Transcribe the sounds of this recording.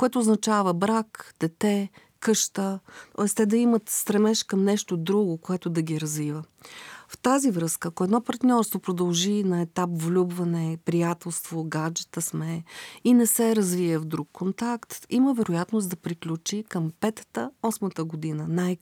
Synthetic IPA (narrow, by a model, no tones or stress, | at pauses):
koɛt̪oːznɐt͡ʃavəbɾakd̪̥ɛt̪ɛ | kɤʃt̪ət̪ɔɛst̪ɛd̪ɐimət̪st̪ɾɛmɛʃkəmnɛʃt̪od̪ɾuɡokoɛt̪ʊd̪ɐɡʲiɾɐzvivə | ft̪azivɾɤskəːkoɛd̪nɔpɐɾt̪nʲɔɾst̪vopɾod̪ɐlˠʒinɐɛt̪apvlʲubvɐnɛpɾijat̪ɛlˠst̪voɡad͡ʒɛt̪əsmɛinɛsɛɾɐzviɛvd̪ɾukːont̪akt̪iməvɛɾʊjat̪nosd̪ɐpɾiklʲut͡ʃikəmpɛt̪ə̥t̪əɔsmət̪əɡod̪inənaj